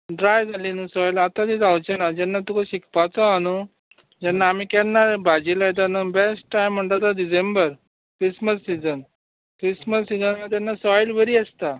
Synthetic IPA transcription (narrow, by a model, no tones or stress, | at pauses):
ɖɾajd͡zʱalinusɔjlat̪ad̪id͡zawt͡ɕɛnad͡ʑɛnːat̪ukaɕikpat͡sɔanu | d͡ʑɛnːaːmikɛnːabad͡ʑilajt̪̬anubesʈːajm̤ːəɳt̪at̪aɖisembəɾ | kɾisməsːid͡zən | kɾisməsːid͡zənat̪̬janːasɔjlʋeɾiːəst̪a